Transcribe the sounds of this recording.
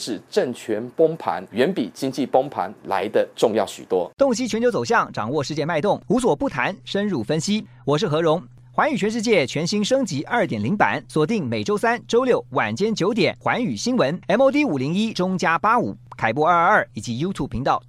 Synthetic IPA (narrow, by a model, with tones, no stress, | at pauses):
ʂɻ̩˨˩ʈ͡ʂə˥˩ŋt͡ɕʰɥɛ˧˥npʊ˥ŋpʰa̰˧˥nɥɛ˧˥npḭ˨˩t͡ɕi˥ŋt͡ɕi˥˨˩pʊ˥ŋpʰa̰˧˥nla̰˧˥ɪd̪ə˧ʈ͡ʂʊ˥˧ŋjɑ˥˩ʊɕy˨˩t̪wɔ˥t̪ʊ˥˩ŋɕ̬i˥t͡ɕʰɥnt͡ɕʰjt͡so˨˩ʊɕ̬jɑ˥˩ŋʈ͡ʂɑ̰˨˩ŋwɔ˥˧ʂɻ̩˥˧t͡ɕjɛ˥˧nma˥˧ɪt̪ʊ˥˩ŋu˧˥s̬wɔ˨˩pu˥˩t̪ʰa˧˥nʂə˥nɻu˥˩fə˥nɕi˥ | wɔ˨˩ʂ̬ɻ̩˥˩xɤ˧˥ɻʊ˧˥ŋ | xwa˧˥ny˨˩t͡ɕʰɥɛ˧˥nʂɻ̩˥˧t͡ɕjɛ˥˩t͡ɕʰɥɛ˧˥nɕi˥nʂɤ˥ŋt͡ɕi˧˥ʔɐ˞˥˩t̪jɛ˨˩nli˧˥ŋpa̰˧˥nswɔ˨˩t̪i˥˩ŋme˨˩ɪʈ͡ʂo˥ʊsa˥nʈ͡ʂo˥ʊljo˥˩ʊwa̰˨˩nt͡ɕjɛ˥nt͡ɕjo˧˥ʊt̪̬jɛ˨˩nxwa˧˥ny˨˩ɕi˥nwə˧˥nɛ˥mo˥t̪̬i˥u˨˩li˧˥ŋi˥ʈ͡ʂʊ˥ŋt͡ɕja˥pa˥ṵ˨˩kʰa˨˩ɪpɔ˞˥˧˥ɐ˞˥˩i˨˩t͡ɕi˧˥jo˥t̪ʰu˥˩pʰi˧˥ŋt̪ɑ˥˩ʊ